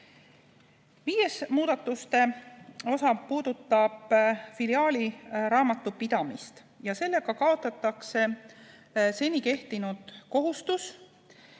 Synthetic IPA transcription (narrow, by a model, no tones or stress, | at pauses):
viːje̞smuːd̪̥ɑt̪ːˑust̪e̞o̞sɑpuːd̪̥ut̪ˑːɑb̥filiɑːliɾɑːmɑt̪ːˑupid̪̥ɑmist̪ | jɑse̞lːe̞ɡ̥ɑkɑo̞t̪ːˑɑt̪ːˑɑkse̞ | se̞nʲike̞ht̪inud̪̥ko̞ɦust̪us